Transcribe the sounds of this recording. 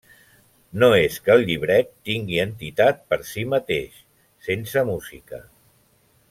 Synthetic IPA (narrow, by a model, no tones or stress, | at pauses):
noeskəlˠʎiβ̞ɾɛt̪ːiŋɡiənt̪it̪at̪̚pəɾsimət̪eʃ | sensəmuzikə̰